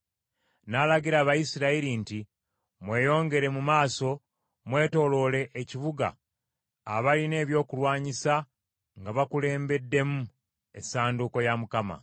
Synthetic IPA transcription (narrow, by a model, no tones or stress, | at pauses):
nalaɟiɾaːβajisiɾaiɾinti | mwe̞ːjo̞ːŋɡe̞ɾe̞mumaːso̞ | mwe̞ːto̞lo̞le̞ʔːciβuɡa̰ː | βaline̞ːβjo̞ːkulwaːɲisa | ŋɡaβakule̞ːmbe̞dːe̞mu | e̞̰saːnduko̞jamukama̰